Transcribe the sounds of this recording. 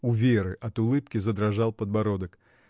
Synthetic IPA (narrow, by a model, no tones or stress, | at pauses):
ʊvʲeɾɨʔɐt̪ʊlˠɨpkʲɪzɐd̪ɾɐʐalˠpəd̪bɐɾod̪ək